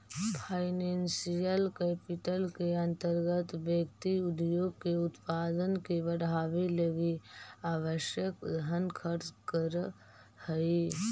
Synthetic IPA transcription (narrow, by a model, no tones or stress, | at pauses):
pʰaːɪneːnsijəlkɛːpɪʈəlkeɐ̃nt̪əɾɡət̪ʋjekt̪iʊd̪joːɡ̚keʊt̪paːd̪ənkeʋəɽɦaːʋeləɡiaːʋəʃjəkd̪ʱənkʰəɾt͡ʃkəɾ | həi